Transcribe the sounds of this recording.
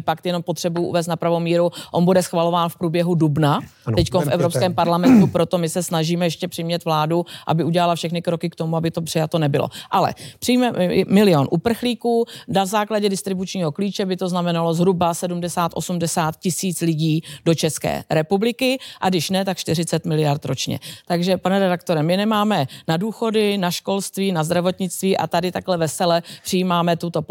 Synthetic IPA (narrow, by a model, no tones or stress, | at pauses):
pakt̪jɛno̞mpot̪r̥ɛbujuʔṵvɛːs̬t̪napɾavomiːɾuʔo̞nbudɛsxvalo̞vaːnfpɾuːbjɛɦudubnaɛckonfʔɛvɾopskɛːmpaɾlamɛnt̪upɾo̞t̪o̞mɪsɛsnaʒiːmɛjɛʃcɛpr̥ɪmɲɛt̪vlaːduʔa̰bɪuɟɛlalafʃɛxnɪkɾo̞kɪkt̪o̞muabɪt̪o̞pr̝̥ɪjat̪o̞nɛbɪlo̰ʔalɛ̰pr̥ɪjmɛmɪlɪjo̞nʔupr̩xliːkuːnazaːklaɟɛdɪst̪ɾɪbut͡ʃɲiːɦo̞kliːt͡ʃɛbɪt̪o̞znamɛnalo̞zɦɾubasɛdumdɛsaːt̪ʔo̞sumdɛsaːt̪̚cɪsiːt͡slɪɟiːdo̞t͡ʃɛskɛ̰ːɾɛpublɪkɪʔaɡdɪʃnɛt̪akʃt̪ɪrɪt͡sɛt̪mɪlɪjaɾt̪ɾo̞t͡ʃɲɛ̰t̪aɡʒɛpanɛɾɛdak̚t̪o̞ɾɛmɪnɛmaːmɛnaduːxo̞dɪnaʃko̞lst̪viːnazd̪ɾavo̞t̪ɲɪt͡st̪viːʔa̰t̪adɪt̪aklɛvɛsɛlɛpr̥ɪjiːmaːmɛt̪ut̪o̞